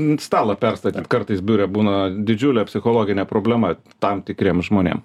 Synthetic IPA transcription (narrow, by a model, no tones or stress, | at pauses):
st̪ɑːlˠɐpʲɛɾst̪ɐt̪ʲiːt̪kɐɾt̪ɐɪsbʲuːɾʲɛbuːnɐd̪ʲɪd͡ʒʲʊːlʲɛpʲsʲɪxoːlˠoːɡʲɪnʲɛpɾoːbʲlʲæːmɐ | t̪ɐmt̪ʲɪkɾʲiɛmʒmoːnʲḛːm